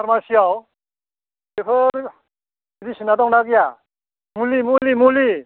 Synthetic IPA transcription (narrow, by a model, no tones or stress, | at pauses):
aɾmasiaw | epʰɯɾ | idisinadɔŋnaɡija | mulimulimuli